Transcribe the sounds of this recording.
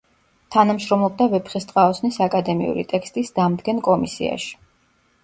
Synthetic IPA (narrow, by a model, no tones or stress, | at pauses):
t̪ʰanamʃɾɔmlb̚d̪avɛpχist̪ʼqʼaɔsnisakʼad̪ɛmḭṵɾḭt̪ʼɛkst̪ʼisd̪̥amd̪ɡɛnkʼɔmisḭa̰ʃi̥